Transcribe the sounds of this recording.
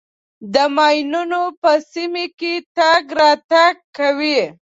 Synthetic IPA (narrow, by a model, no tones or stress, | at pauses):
d̪əmɑjnunopəsimeket̪aɡɾɑt̪aɡ̚kawi